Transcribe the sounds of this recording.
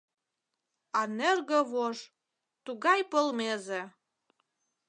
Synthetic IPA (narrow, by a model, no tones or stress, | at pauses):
ɑnerɣəβoʒ | t̪uɣɑjpə̆lmeze